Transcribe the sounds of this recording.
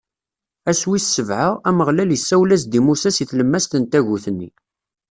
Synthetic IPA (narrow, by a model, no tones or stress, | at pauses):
æswisːəvʕəʁæməʁlæljəsːæwlæs̬d̪imusæsiθləmːæst̪ənt̪æʝuθənːḭ